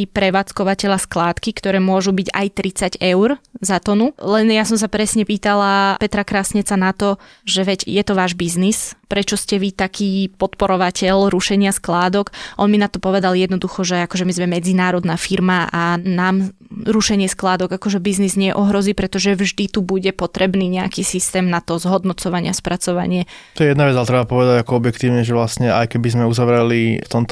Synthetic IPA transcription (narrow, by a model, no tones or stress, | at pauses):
ipɾɛʋaːt͡skɔʋacɛʎasklaːt̪kikt̪ɔɾɛːmʊɔʒubiɟa̰jt̪ɾit͡saɟɛʊɾzat̪ɔnulɛnjasɔms̬apɾɛsɲɛpiːt̪alapɛt̪ɾakɾasɲɛt͡sanat̪ɔ | ʒɛʋɛcjɛt̪ɔʋaːʒbiznispɾɛt͡ʃɔscɛʋit̪akʰiːpɔt̪pɔɾɔʋacɛʎɾuʃɛɲɪasklaːd̪ɔkʔɔnminat̪ɔpɔʋɛd̪aljɛd̪nɔd̪uxɔʒɛakɔʒɛmizmɛmɛd͡zinaːɾɔd̪nafiɾmaʔanaːm | ɾuʃɛɲɪɛsklaːd̪ɔɡakɔʒɛbiznizɲɪɛʔɔɦɾɔziːpɾɛt̪ɔʒɛvʒd̪it̪ubuɟɛpɔt̪ɾɛbniːɲɛa̰kisist̪ɛːmnat̪ɔzɦɔd̪nɔt͡sɔʋaɲɪaspɾat͡sɔʋa̰ɲɪɛt̪ɔjɛjɛd̪naʋɛd͡zalɛt̪ɾɛbapɔʋɛd̪aɟakɔɔbjɛkt̪iːʊɲɛʒɛʋlasɲɛa̰jkɛbizmɛuzaʋɾɛlit̪ɔmt̪